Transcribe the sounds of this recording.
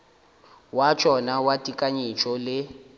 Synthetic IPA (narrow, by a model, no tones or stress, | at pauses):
wat͡ʃʼɔnawatʼikʼaɲit͡ʃʼɔlɪ